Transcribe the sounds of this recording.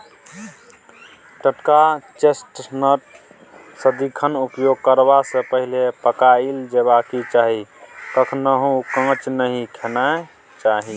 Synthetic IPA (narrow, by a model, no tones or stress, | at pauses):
ʈəʈkat͡ʃesʈnəʈ | səd̪ikʰənupjoɡ̚kəɾbasə̃pəɦilepəkaild͡ʒeβakit͡ʃaɦikəkʰnəɦũkə̃t͡ʃnəɦĩkʰena | t͡ʃaɦi